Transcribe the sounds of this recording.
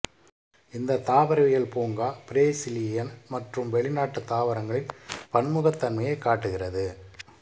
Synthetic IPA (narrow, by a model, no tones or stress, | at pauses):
ɪnd̪ɐt̪aːʋɐɾɐʋɪjɐɭpoːŋɡaːpɪɾeːsɪlɪjɐnmɐʈrɯmʋɛɭɪnaːʈːɯt̪ːaːʋɐɾɐŋɡɐɭɪnpɐɳmʊɣɐt̪ːɐnmɐjɐɪkːaːʈːɯɣɪrɐðɯ